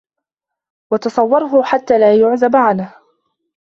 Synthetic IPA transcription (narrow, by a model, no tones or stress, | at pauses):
wɑt̪ɑsˤɑwːɑɾˤɦʊħat̪ːaːlaːjʊʕzabaʕanh